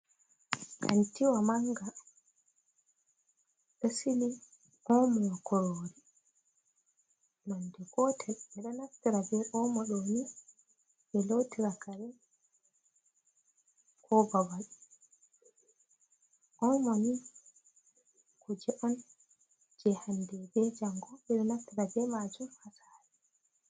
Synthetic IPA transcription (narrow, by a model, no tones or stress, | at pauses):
kʰa̰ntiwamaŋɡa | ɗəsili | ʔɔmɔjakɔɾoɾi | nandɛɡɔtʰɛlɛɗɔnaftiɾabɛɾɔmaɗɔni | bɛlotiɾakaɾɛ | kʰɔbabal | ʔɔmami | kɔd͡ʒɛʔɔn | d͡ʒɛhandɛbɛd͡ʒaŋɡɔɓɛɗɔnaftiɾabɛmad͡ʒumhasaːɾɛ